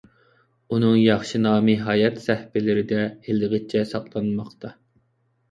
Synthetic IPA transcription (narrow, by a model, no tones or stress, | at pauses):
unɨŋjɑχʃinɑːmɨɦɑːjɛt̪sɛhpɪlɪɾɪd̪ɛhɪlˠɨʁɨt͡ʃʰːɛsɑqlˠɑnmɑχt̪ʰɑ